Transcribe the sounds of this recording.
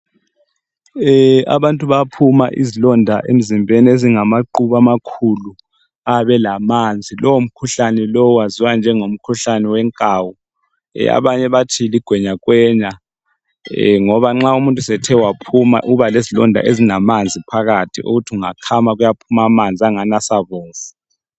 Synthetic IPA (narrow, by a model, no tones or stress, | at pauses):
a̰βantʼuβapʰuma̰ʔḭzilɔndʱa̰ʔḛm̩zimbʱenieziŋamaǃuβamakʰulu | aβɛlamand͡zʱilʔɔwom̩kʰuɬanɛlɔwaziwand͡ʒʱɛŋom̩kʰuɬanɛwɛŋkʼaːwu | ɛ̰a̰βaɲɛβatʰiliɡ̥ʱwɛɲakwɛːɲa | ŋɔβaŋ͡ǁaumuntʼusɛtʰɛwapʰuma̰ʔuβalezilɔndʱa̰ʔezinamand͡zʱipʰaɣatʰiʔṵɣutʰiuŋakʰamaɣujapʰumamand͡zʱiaŋanasaβoːfu̥